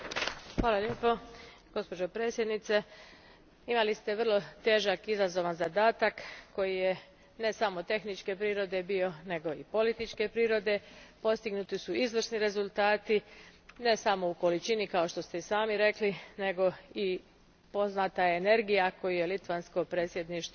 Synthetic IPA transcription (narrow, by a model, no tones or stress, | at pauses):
xʋaːlaljeːpo | ɡ̥o̞spo̞d͡ʒopɾe̞ːt̪sje̞d̪nit̪se̞ | imalist̪e̞ʋr̩lˠo̞t̪e̞ːʒakizazo̞ʋanzad̪aːt̪akːo̞jije̞ | ne̞samo̞t̪e̞xnit͡ʃke̞pɾiːɾo̞d̪e̞bio̞ne̞ɡo̞ipo̞lit̪it͡ʃke̞pɾiːɾo̞d̪e̞po̞st̪iɡnut̪isuizʋrsniɾe̞zulˠt̪aːt̪ine̞samo̞uko̞lit͡ʃinikao̞ʃt̪o̞st̪eisaːmiɾe̞kline̞ɡo̞i | po̞znat̪aene̞ɾɡijako̞juje̞lit̪ʋansko̞pɾeːt̪sjed̪niʃt̪